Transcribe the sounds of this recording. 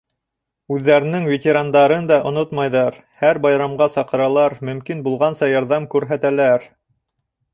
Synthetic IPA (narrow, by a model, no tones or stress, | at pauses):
ʉðːæɾɘ̆nɘŋvʲet̪ʲeɾand̪ɑɾɤnd̪ɑʔŏnot̪mɑjðɑɾ | hæɾbɑjɾɑmʁɑsɑqɤ̆ɾɑlˠɑɾmɵ̆mkinbulˠʁɑnsɑjɑɾðɑmkʉɾɦæt̪ælæɾ